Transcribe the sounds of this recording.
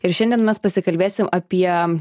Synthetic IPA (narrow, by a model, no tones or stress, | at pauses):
ɪɾʃʲɛnʲd̪ʲɛnmʲɛspɐsʲɪkɐlʲbʲeːsʲɪmɐpʲiɛ